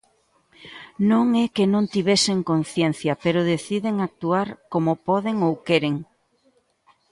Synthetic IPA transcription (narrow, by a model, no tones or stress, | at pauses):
nõŋɛkenõnt̪iβ̞ɛseŋkon̟θjẽn̟θjɐpeɾoðeθiðeŋak̚t̪uaɾkomopɔðeŋowkɛɾeŋ